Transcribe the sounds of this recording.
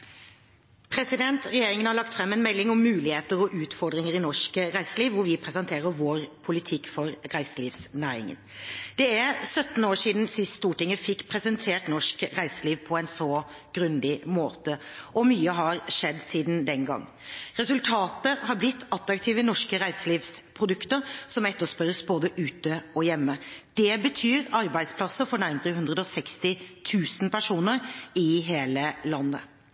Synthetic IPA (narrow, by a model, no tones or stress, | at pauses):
pʰɾɛsɪd̪ɛnt̪ɾɛjeːɾɪŋənhɑɾɭɑk̚t̪fɾɛmːɛnmɛlːɪŋɔmːʉːlɪheːt̪əɾɔʔʉːt̪fɔɾd̪ɾɪŋəɾɪnɔʂkəɾæɪsəliːʋʋʊɾʋɪpʰɾɛsɛnt̪ʰeːɾəɾʋoːɾpʰʊlɪt̪ʰɪkːfɔɾɾæɪsəliːʋsnæːɾɪ̰ŋə̰nd̪̥ɛæɾsœt̪ːn̩oːʂiːd̪n̩sɪsst̪uːʈɪŋːəfɪkːpʰɾɛsɛnt̪ʰeːʈnɔʂkɾæɪsəliːʋpʰɔɛɪnsɔ | ɡ̥ɾʉnd̪ɪmoːt̪əʔɔmyːəɦɑɾʂɛd̪ːsiːd̪n̩d̪ɛnɡɑ̰ŋː | ɾɛsʉlt̪ʰɑːt̪əhɑɾblɪt̪ːɑt̪ɾɑkt̪ʰiːʋənɔʂkəɾæɪsəliːʋspʰɾʊd̪ʉkt̪əɾsɔmɛt̪ːəʂpœɾəsboːd̪əʔʉːt̪əɔjɛmːəd̪̥ɛbət̪ʰyːɾɑɾbæɪd̪spʰlɑsəfɔɳæɾməɾəɦʉnd̪ɾəd̪ɔsɛkst̪ɪt̪ʰʉːsnpæʂuːnəɾɪɦeːləlɑnːə̰